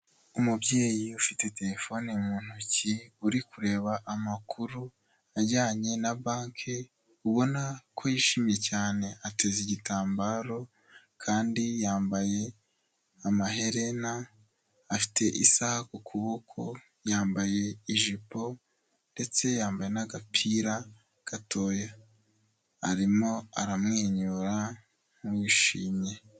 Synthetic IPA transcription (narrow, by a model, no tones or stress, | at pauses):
umubɟe̞ːjiufite̞te̞ɾe̞fo̞nimuːn̥uciuɾikuɾe̞ːβaʔamakʰuɾu | aɾɟaːɲenabaːŋkʰe | uβo̞nakʰo̞jiʃiːmje̞caːne̞ʔate̞ziɟitaːmbaːɾo̞ | kʰaːndijaːmbaje̞ | amaɦe̞ɾe̞naː | fi̥tʰe̞ʔisahakokʰuβo̞kʰo̞ | jaːmbaje̞iʒipo̞ | nde̞t͡se̞jaːmbaje̞naɡapʰiɾa | ɡ̥atʰo̞ːja | aɾimo̞aɾamŋeːɲuɾa | mwiʃiːmɲe̞